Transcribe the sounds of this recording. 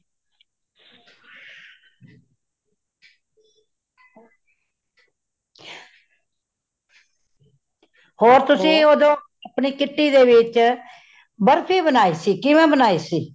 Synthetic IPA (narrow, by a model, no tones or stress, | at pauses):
hoːɾt̪ʊsĩːoːd̪õː | əpniːkɪʈːiːd̪eːʋɪt͡ʃ | bəɾpʰiːbənaːiːsiːkɪʋɛ̃ːbənaːiːsiː